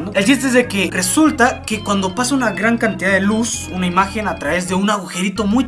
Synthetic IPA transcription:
nd̪oelt͡ʃist̪eezðekere̞sult̪akekwand̪o̞pasaunaɣɾaŋkant̪iðaðelusunaimaxe̞nat̪ɾaβe̞zðe̞unaɣuxe̞ɾit̪o̞muj

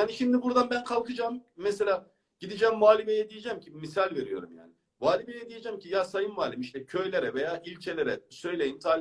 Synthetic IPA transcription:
jaːniʃimd̪ibuɾd̪anbænkʰalˠkʰɯd͡ʒamːɛse̞lʲaː | ɟ̥id̪id͡ʒɛːmːuaːlʲimejɛd̪ijed͡ʒæmcʰimisalʲve̞ɾijo̞̰ɾṵmja̰ːnɪ | muaːlʲimejɛd̪ijed͡ʒæmcʰijasajɯnmaːlʲimiʃt̪ʰɛcʰø̞jlʲe̞ɾɛve̞jaːilʲt͡ʃʰelʲeɾɛsø̞jlʲejint̪ʰaːlʲi

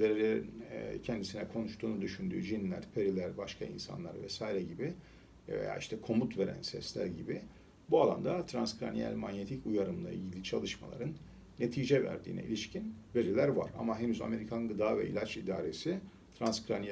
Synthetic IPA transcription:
eɛcʰɛnd̪isinɛkʰo̞nuʃt̪ʰuːnud̪yʃynd̪y̰ːd͡ʒinlʲæ̰ɾ̥pʰeɾilʲæɾbaʃkʰaḭnsa̰nlˠaɾvɛsaːjiɾɛɟibi | v̰ja̰ːiʃt̪ʰɛkʰo̞mut̪ve̞ɾæ̰nsɛ̰slʲæ̰ɾɟibi | bualˠa̰nd̪at̪ʰɾanskɾanijæ̰lʲmaɲje̞t̪ʰicujaɾɯmlˠa̰ʔḭlʲɟilʲit͡ʃʰalˠɯʃmalˠa̰ɾɯnː | e̞t̪ʰiːd͡ʒɛvæ̰ɾd̪ḭːnɛ̰ḭlʲiʃcʰinve̞ɾilʲæɾva̰ɾa̰maɦe̞nyza̰me̞ɾikʰanɡɯd̪aːvɛ̰ʔḭlʲat͡ʃid̪aːɾe̞si | t̪ʰɾanskɾani

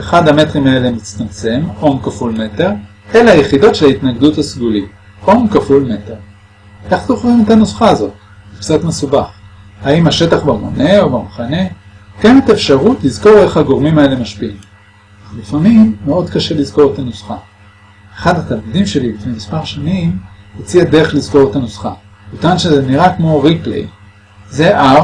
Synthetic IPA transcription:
eχadhametʁimae̞lemit͡st̪amt͡se̞mʔomkafulme̞te̞ʁ | e̞laaje̞χido̞tʃelait̪naɡduthasɡulit | o̞mkafulme̞te̞ʁ | ʔeχt̪oχʁimetanusχaːzo̞t̪ | ukt͡satme̞subaχhaimhaʃe̞taχbamo̞̰ne̞o̞bamaχane̞kenet̪aefʃaʁutlizko̞ʁe̞χhaɡo̞ʁmimae̞le̞maʃpiim | aχlifamimːeo̞d̪kaʃe̞lizko̞ʁet̪anusχa | eχadatalmidimʃe̞lilifnejmispaʁʃanimhot͡siade̞ʁeχlizko̞ʁetanusχa̰ | mutanʃezeniʁakmo̞ʁiplḛj | ze̞ʔa

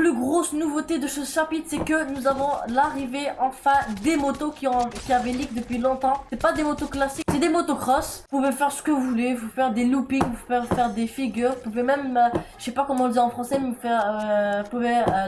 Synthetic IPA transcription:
plyɡʁosnuvot̪ed̪əsəʃapit̪χsɛkənuzavɔ̃laʁiveɑ̃fɛ̃d̪emot̪okʲiɔ̃kʲiavɛlikd̪əpɥilɔ̃t̪ɑ̃st̪ɛpad̪emot̪oklasiksɛd̪emot̪okχɔsupuvɛfɛʁsə̥kəvuvuleuuvɛfɛʁd̪elupiŋvuuvɛfɛʁd̪efiɡʲyːʁvupuvɛmɛmøʃɛpakɔmɑ̃ɔ̃ld̪iɑ̃fχɑ̃sɛmfɛʁpuvɛø

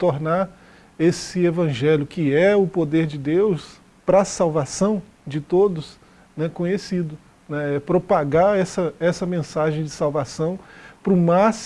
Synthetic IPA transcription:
t̪oɾnaɾ | esɪevɐ̃ʒɛljʊkɪɛʊpod̪eɾd͡ʒɪd̪ews | pɾɐsawvasɐ̃w̃ | d͡ʒɪt̪od̪ʊs | nɛkõɲesid̪ʊ | nɛɛpɾopaɡaɛsɐɛsɐmẽsaʒẽj̃d͡ʒɪsawvasɐ̃w̃pɾʊmas

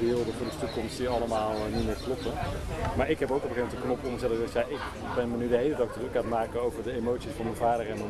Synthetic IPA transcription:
bɪːlˠdəvʊːɹdəstukɔmstdiɑləmaːlˠnit̚mɪːɹklɔpəmaːɹɪkɦɛpowkɔpχejmɛntəknɔpɔnəsɛtzɛtjaʔɪk | bɛnmənydəɦejlədɑk̚dərəkaːtmaːkəowvəɹdəejmowtsisfɑnmənvaːdərɛnmən

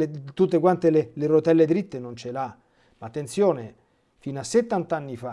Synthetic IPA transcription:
et̪ut̪ːekwant̪elelerot̪ɛlːed̪ɾit̪ːenont͡ʃela | maːt̪ːent̪sjoːne | finasːet̪ːant̪anːifa

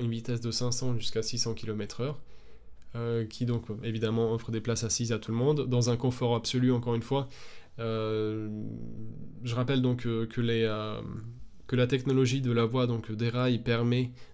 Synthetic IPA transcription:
ynvit̪ɛsd̪əsɛ̃sɑ̃ʒyskasisɑ̃kʲilɔmɛt̪χœʁ | økʲʰid̪ɔ̃kevid̪amɑ̃ɔfχəd̪eplasasizat̪uləmɔ̃d̪ːɑ̃zɛ̃kɔ̃fɔʁabsɔlyɑ̃kɔʁynfwaø | ʒəʁapɛld̪ɔ̃kkʰəleø | kəlat̪ɛknɔlɔʒid̪əlavwad̪ɔ̃kd̪eʁajpɛʁmɛ

